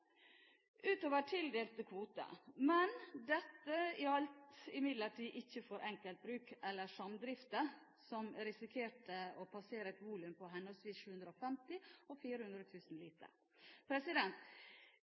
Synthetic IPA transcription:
ʔʉːt̪oːʋəʈʰɪld̪eːlt̪əkʰʋuːt̪ə̰mɛnd̪ɛt̪ːəɪɑlt̪ɪmɪd̪ləʈʰiːʔɪçːəfɔːɾʔɛŋkəlt̪̚bɾʉːkɛlːəʂɑmd̪ɾɪft̪ə | sɔmɾɪsɪkʰeːʈəɔpʰɑseːɾəɛt̪ʋuːlʉmpʰɔɦɛnɔlsʋiːsʃʉːʉnd̪ɾəɔfɛmt̪ɪɔfiːɾəhʉnd̪ɾət̪ʰʉːsn̩liːt̪ə̰ɾ | pʰɾɛsɪd̪ɛnt̪

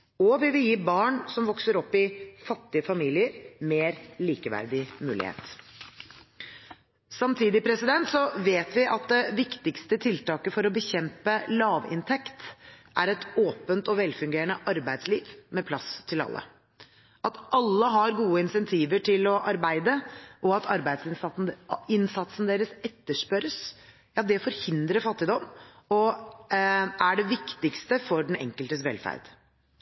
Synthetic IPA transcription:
ɔʋɪʋɪjiːbɑːɳsɔmʋɔksəɾɔpːɪfɑt̪ːɪəfɑmiːlɪəɾmeːɾliːkəʋæ̰ɾd̪ɪmʉ̰ːlɪ̰hḛːt̪ | sɑmt̪ʰiːd̪ɪpʰɾɛsɪd̪ɛnt̪sɔʋeːt̪ʋɪʔɑt̪̚d̪ɛʋɪkt̪ɪkst̪ət̪ʰɪlt̪ɑːkəfɔɾɔbəçɛmpəlɑːʋɪ̰nt̪ʰɛkt̪ʔæɾɛt̪oːpənt̪ɔʋɛlfʉŋɡeːɾəɳnəʔɑɾbæɪd̪sliːʋmɛpʰlɑ̰st̪ʰɪlɑ̰lːə̰ | ʔɑt̪ʔɑlːəɦɑɾɡuːəɪnsɛnt̪ʰiːʋəʈʰɪlɔʔɑɾbæɪd̪əʔɔɑt̪ʰɑɾbæɪd̪sɪnn̩ɪnsɑt̪sn̩d̪eːɾəsɛt̪ːəʂpœɾəs | jɑːd̪ɛfɔɾhɪnd̪ɾəɾfɑt̪ːɪd̪ɔmː | ɔ | ʔæɖɛʋɪkt̪ɪkst̪əfɔɖɛnɛ̰ŋkəlt̪əsʋɛ̰lfæ̰ɾd̪̥

